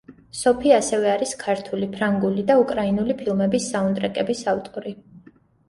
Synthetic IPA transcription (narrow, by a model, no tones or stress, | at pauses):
sɔpʰiasɛvɛaɾiskʰaɾt̪ʰulipʰɾaŋɡulid̪aukʼɾainulipʰilˠmɛbisːaund̪ʼɾɛkʼɛbisavt̪ʼɔɾi